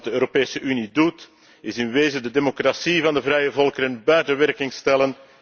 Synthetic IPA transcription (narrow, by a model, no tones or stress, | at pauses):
dəøːɾopeːsəʔynidut | ɪzɪnʋeːzədədeːmokrasivɑndəvrɛjəvɔlˠkəɾənbɛːrdəʋɛrkɪŋstɛlən